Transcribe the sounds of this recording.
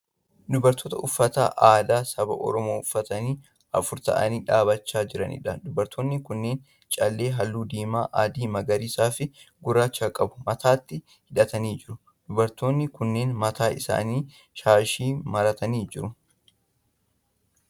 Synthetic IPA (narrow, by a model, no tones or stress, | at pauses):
d̪ʊbɐɾt̪ʰːoːt̪ɐʔʊfːɐt̪a̰ːʔaːd̪aːsɐbɐ̰ʔɔ̰ɾɔmoːʊfːɐt̪ɐniː | ɐfʊɾt̪ɐ̰ʔɐniːᶑaːbɐt͡ʃːaːd͡ʒɪɾɐ̰nɪ̰ᶑɐd̪ʊbɐɾt̪ʰːoːnːɪkʊnːe̞ːn | t͡ʃʼɐlːe̞ːɦɐlːuːd̪iːmaːʔaːd̪iːmɐɡɐɾiːsaːfɪɡʊɾaːt͡ʃːaːkʼɐbʊmɐt̪aːt̪ːɪ | hɪᶑɐt̪ɐniːd͡ʒɪɾʊ | d̪̥ʊbɐɾt̪oːnːɪkʊnːe̞ːnmɐt̪aːʔɪsa̰ːniː | ʃaːʃiːmɐɾɐt̪ɐniːd͡ʒɪɾʊ